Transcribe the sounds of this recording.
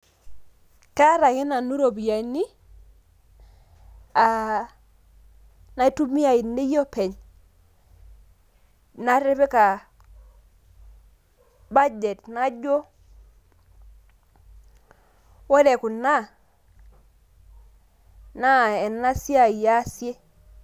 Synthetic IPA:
ka˦ɾa˨ŋi˦na˨nu˦ɾo˨bi˨ja˨ni˦ | a˨ | na˦tu˦mi˦a˨i˨nːi˦jo˦pɛ˨ɲ | na˦ɾe˦be˦ka˨ | ba˦d͡ʒe˨tna˦d͡ʒo˦ | wɔ˦lɛ˨ku˨na˦ | na˦ɛ˨na˦si˦a˨ja˦sje˦

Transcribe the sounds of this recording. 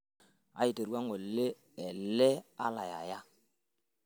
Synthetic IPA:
a̰˨i˨te˨ɾwa˦ŋo˨le˦ | ɛ˨lɛ˦a˦la˨ja̰˨ja˦

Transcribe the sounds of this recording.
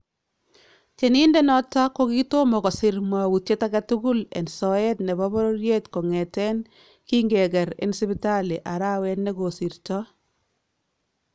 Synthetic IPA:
t͡ʃe˨ni˦nde˦nɔ˦ta˦ko˦ki˦to˦mɔ˨kɔ˨sɪ˨ɾmwa˨wu˨tje˦ta˦ɡa˦tu˦ɡu˦lɛ̰˨nsɔ˨ɛ˦tnɛ˨bɔ˦bɔ˦ɾo˦ɾje˦tko˨ŋɛ˨tɛ˦n | ki˦ŋɡe˨ɡɛ˨ɾḛ˨nsɪ˦bɪta˦le˨ʔa˨ɾa˦wɛ˦tne˦ɡo˨sɪ˨ɾtɔ˦

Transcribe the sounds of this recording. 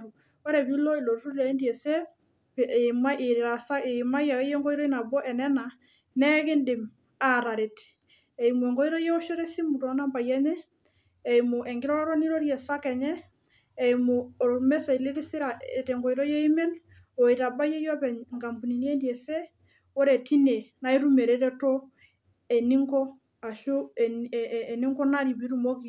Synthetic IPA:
ɾu˨ | ɔ˦ɾɛ˨bi˦lɔ˦i˨lo˨ɾɾu˦ɾɾa˨i˦ndiɛ˨sɛ˦ | pma˦ʔe˨ɾɾa˨sa˦e˨ma˦ja˨˦jɛ˦ŋɡɔ˦iɾɔ˦i˦na˨bɔ˦ʔɛ˨nɛ˦na˨ | nɛ˦kɪ˦ndɪ˨m | a˨ɾa˨ɾe˨t | ɛ˨i˨mu˨ɛ˨ŋɡɔ˦iɾɔ˦jɛ˦o˦ʃo˦ɾɛ˦si˦mu˨tɔ˨˦na˦mba˨jɛ˦ɲɛ˦ | ɛ˨imo˨ʔɛ˨ŋɡɪ˦ɾɔ˦ɔ˦ɾɔ˦ni˦ɾo˦ɾjɛ˨sa˦kɛ˨ɲɛː˦˨ | i˨mo˨ɾmɛ˦sa˨i˨le˦ɾi˦si˦ɾa˨e˨tɛ˨ŋɡɔ˨i˨ɾɔ˦jɛ˦i˦mɛ˦l | o˨i˨ɾa˨ba˦jɛ˦jɔ˦pɛ˨ɲŋɡa˨mbu˨ni˨njɛ˦ndjɛ˨sɛ˦ | o˦ɾɛ˨ti˦ne˨na˦i˦ɾu˦me˨ɾe˨ɾɛ˦to˦ | ɛ˨ni˦ŋɡɔ˦ | a˨ʃoː˦˨ni˦ŋɡɔ˦na˦ɾi˨bi˦ɾu˨mo˦ki˨

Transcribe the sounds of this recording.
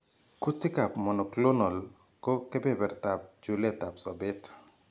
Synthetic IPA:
ku˦tɪ˦ka˨pmɔ˨nɔ˨klo˦nɔ˨l | kɔ˦kɛ˦bɛ˦bɛ˨ɾta˨p̚d͡ʒu˨lɛ˦ta˨psɔ˨bɪ˦t

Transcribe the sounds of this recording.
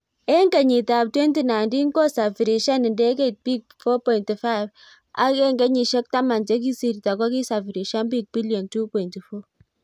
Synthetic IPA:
ɛ˦ŋka˨ɲɪ˨ta˨p̚twɛ˦nti˨na˨ndi˦ŋkɔ˦sa˨fi˨ɾi˨ʃa˦nɪ˨ndɛ˦kɛ˦˨t̚bi˦k̚fɔ˦pɔ˨ɪ˨nti˨fa˦ɪf | a̰˦kɛ˦ŋɡɛ˦ɲi˨ʃɛ˦k̚ta˦ma˨nt͡ʃɛ˦k̬i˦si˨ɾi˨ta˨kɔ˦ki˦sa˨fi˨ɾi˨ʃa˦nbi˦k̚b̥i˦ljɔ˨ntu˦pɔ˨i˨nti˨fo˦

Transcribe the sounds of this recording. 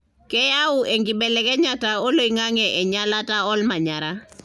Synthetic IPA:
kɛ˦ja˦uʔɛ˨ŋɡi˨bɛ˨lɛkɛ˦ɲa˨tao˦lo˦i˨ŋa˦ŋɛʔɛ˨ɲa˦lata˦ɔ˦lma˨ɲaɾa

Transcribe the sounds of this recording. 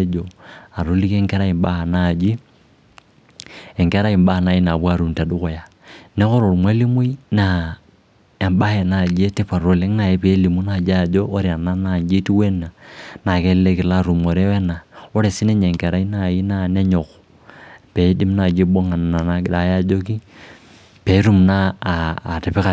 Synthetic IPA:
d͡ʒɔ˨a˨ɾo˨˦li˦kɛ˦ŋkɛ˦ɾa˦i˨mba˦ha˨na˦˨d͡ʒi˦ | ɛ˨ŋkɛ˦ɾa˦i˨mba˦hna˨i˦na˨bwa˦˨ɾu˨mta˨du˦kɔ˨ja˨ | nɛ˦kɔ˦ɾo˨ɾmwa˦li˦mu˦i˦na˨ | ɛ˨mba˦hɛ˨na˨d͡ʒe˦ti˦pa˨ɾo˨le˦ŋna˨jɛ˦pe˨˦li˨mu˦na˨d͡ʒa˨d͡ʒo˦ʔːɾi˨a˨na˦na˨ɲd͡ʒi˦ti˦we˦na˨na˨kɛ˦lle˦kɪ˨la˦˨ɾu˨mɔ˨ɾe˦wɛ˦na˨o˦ɾe˨sɪ˦nɛ˦ɲe˨ŋkɛ˨ɾa˦i˦na˦˨i˦na˦nɛ˦ɲɔ˨k | pe˨˦di˦mna˨d͡ʒe˦bo˦ŋa˨n˨a˨na˦a˨ja˦˨d͡ʒo˦k̬i˦ | pe˨˦ɾu˦˨mnaː˦˨tɪ˨pɪ˦ka˨

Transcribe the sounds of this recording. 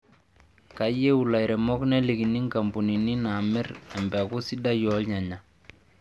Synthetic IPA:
ka˨˦je˦u˨la˨jɾɛ˨mɔ˦knɛ˦li˨ki˨ni˦ŋka˨mbu˨ni˨ni˦na˨mɪ˦rɛ˨mbɛ˨ku˦si˦da˦jɔ˨˦lɲa˨ɲa˨

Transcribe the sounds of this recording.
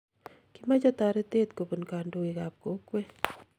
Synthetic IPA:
kima˦d͡ʒɔt̪a˨ɾe˦t̪eː˦t̪ko˨pu˨nka˨ndoika˨p̚ko˨˦kwe˦

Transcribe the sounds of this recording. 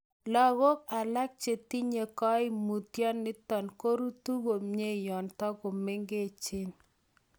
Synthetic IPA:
lɔ˨ɣo˦k̚a˨la˦k̚t͡ʃe˨ti˦ɲe˨kɔ˦ɪ˦mu˨tjɔ˦nːɪ˦tɔ˨nko˦ɾu˦tu˦ɣo˨mɲe˦jɔ˨ntɔ˦ko˨me˦ŋɡe˦˨t͡ʃɪ˦n

